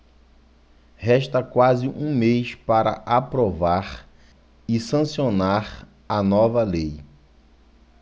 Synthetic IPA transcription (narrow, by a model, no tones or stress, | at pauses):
hɛʃt̪ɐkwazɪʔũmejspaɾɐ̰ʔapɾovaɾ | ɪsɐ̃sionaɾ | ɐnɔvɐlej